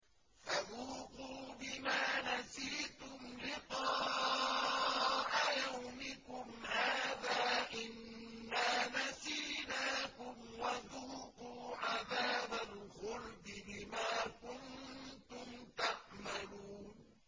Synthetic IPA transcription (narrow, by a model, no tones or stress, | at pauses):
faðuːquːbɪmaːnasiːt̪ʊmlɪq̪ɑː | ʕajawmɪkʊmhaːðaːʔɪnːaːnasiːnaːkʊmwaðuːquːʕaðaːbalxʊɾbɪbɪmaːkʊnt̪ʊmt̪aʕmaluːn